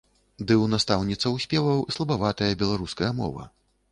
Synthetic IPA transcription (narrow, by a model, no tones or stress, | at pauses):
d̪ɨwnast̪awnʲit̪sɐwsʲpʲɛvɐwislˠɐbavat̪ɐjɐbʲɛlˠaɾuskɐjɐmɔ̰vɐ̰